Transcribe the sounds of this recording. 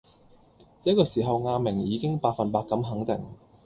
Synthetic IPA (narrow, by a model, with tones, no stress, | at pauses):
t͡sɛː˨˥kːɔː˧siː˨˩ɦɐ˨wŋaː˧mɪ˨˩ŋjiː˨˧kɪ˥ŋpaː˨˧k̚fɐ˨npaː˧kːɐ˨˥mɦɐ˨˥ŋt̪ɪ̰˨˩ŋ